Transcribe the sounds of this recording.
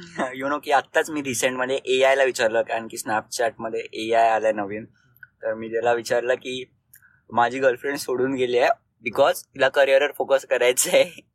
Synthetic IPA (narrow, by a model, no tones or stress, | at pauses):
ɦajunokiːat̪ːat͡smiːɾiseɳʈməd̪ʱjeʔeajlaʋit͡ɕaɾləkaəɳkiːsnap̚t͡ɕaʈ̚məd̪ʱːjeʔeajaljanəʋiːn | t̪əɾmiːt̪alaʋit͡ɕaɾləkiː | mad͡ʑʱiːɡəlfɾeɳɖsoɽuːnɡeliːe | bikɔzt̪ilakəɾiəɾəɾfokəskəɾajt͡səe